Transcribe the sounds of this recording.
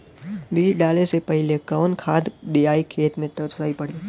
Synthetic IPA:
biːɖaːlesepəɦɪlekəʋnkʰaːd̪d̪eaːikʰeːt̪mẽt̪əɾsaːipəɽiː

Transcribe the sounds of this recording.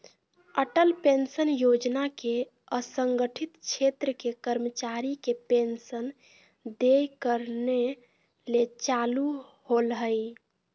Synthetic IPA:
əʈəlpensənjod͡ʒnake | əsəŋɡəʈʰit̪t͡ʃʰet̪ɾəkekəɾmət͡ʃaɾikepensən | d̪ekəɾne | let͡ʃaluholɦəj

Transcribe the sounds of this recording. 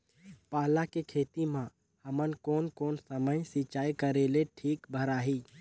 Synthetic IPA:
paːlakekʰeːt̪imã | həmənkoːnkoːnsəməjsit͡ʃaːikəɾeːleʈʰiːkbʱəɾaːɦiː

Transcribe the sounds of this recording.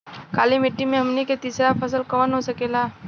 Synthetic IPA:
kaːlimɪʈːimẽɦəmniket̪iːsɾapʰəsəlkəʋənɦosəkeːlaː

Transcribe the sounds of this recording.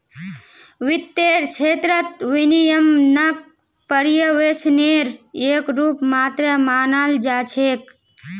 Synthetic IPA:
ʋit̪ːeːɾt͡ʃʰeːt̪ɾət̪ʋinijəmnək̚ | pəɾjəʋet͡ʃʰneːɾeːkɾuːpmaːt̪ɾəmaːnald͡ʒaːt͡ʃʰeːk

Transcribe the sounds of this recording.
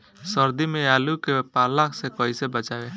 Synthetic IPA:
sɔɾd̪imẽalukepalaksekɔjsebət͡ʃabe

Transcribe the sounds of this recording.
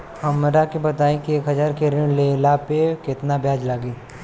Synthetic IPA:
hɐmɾakibɐt̪aːẽkieːkɦɐzaːɾkeɾɪɽlelapekɪt̪nabjaːd͡ʒlaɡiː

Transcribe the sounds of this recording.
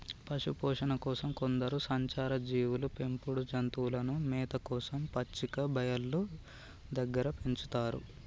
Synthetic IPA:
pɐʂupɔːʂɐnɐkɔːsɐmko̞nd̪ɐɾusɐɲt͡ʃaːɾɐd͡ʒiːwulupe̞mpuɽud͡ʒɐnt̪uːlɐnumɛːt̪ɐkɔːsɐmpɐt͡ʃːikɐbʱɐjɐlːu | d̪ɐɡːɐɾɐpeɲt͡ʃut̪aːɾṵ

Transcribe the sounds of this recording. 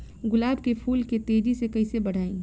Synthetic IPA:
ɡʊlaːbkepʰuːlket̪eːd͡ʒisekɐisebɐɽ̤aːĩː

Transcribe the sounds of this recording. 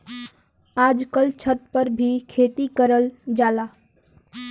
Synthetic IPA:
aːd͡ʒkəlt͡ʃʰət̪̚pəɾbʱikʰeːt̪ikəɾəld͡ʒaːla

